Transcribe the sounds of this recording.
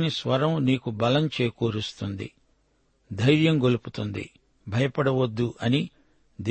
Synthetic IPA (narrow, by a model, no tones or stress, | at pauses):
nisʋɐɾɐmniːkubɐlɐmt͡ʃeːkuːɾust̪und̪ḭ | d̪ʱɐjɾjɐmɡo̞luput̪und̪ḭ | bʱɐjɐpɐɽɐʋod̪ːuʔɐni | d̪